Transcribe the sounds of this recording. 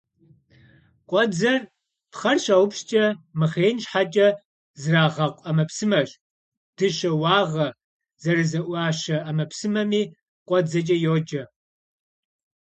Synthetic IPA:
qʷʼɔd͡zɐr | pχɐrɕaːwʊpʃt͡ʃʼɐmɨχeːnʃħat͡ʃʼɐ | zraːʁɐqʷʼɐmɐpsɨmɐɕ | d̥ɨʃɐwɑːʁɐ | zɐrɨzɐʔʷaːʃɐamɐpʰsɨmɐmiː | qʷʼɔd͡zɐt͡ʃʼɐjoːd͡ʒʼɐ

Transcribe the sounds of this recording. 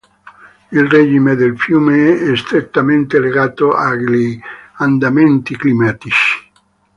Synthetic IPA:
ilrɛd͡ʒimed̪elfjuːmeɛst̪ɾet̪ːament̪eleɡaːt̪oʔaɡliand̪ament̪iklimaːt̪it͡ʃi̥

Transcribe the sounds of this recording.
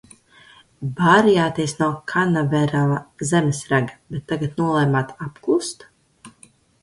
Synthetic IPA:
baɾijaːt̪iɛsnuɔkʰanavɛɾalazɛmesɾaɡabet̪ːaɡat̪nuɔlˠɛjmaːt̪apkust̪

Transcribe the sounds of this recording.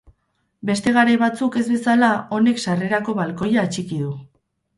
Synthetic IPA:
be̞st̪e̞ɣaɾajβat͡suke̞zβe̞salao̞ne̞ksare̞ɾako̞βalko̞jaːt͡ʃikiðu

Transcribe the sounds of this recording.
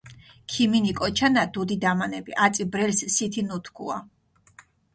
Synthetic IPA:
kʰiminikʼɔt͡ʃʰanad̪ud̪id̪amanɛbḭʔat̪sʼibɾɛlssit̪ʰinut̪ʰkʰṵa

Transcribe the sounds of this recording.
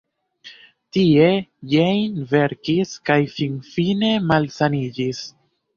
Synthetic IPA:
tie̞jejnve̞ɾkiskajfinfine̞malsanid͡ʒis

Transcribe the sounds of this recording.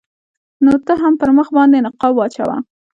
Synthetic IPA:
not̪əɦampəɾməxbɑnd̪enɪqɑwɑt͡ʃa̰wa̰

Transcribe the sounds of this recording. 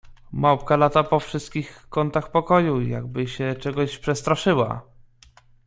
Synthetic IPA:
mawpkalat̪apɔfʂɘst̪̚kʲixkɔnt̪axpɔkɔjuja̰ɡ̚bɘɕɛt͡ʂɛɡɔɕpʂɛst̪ɾaʂɘwa̰

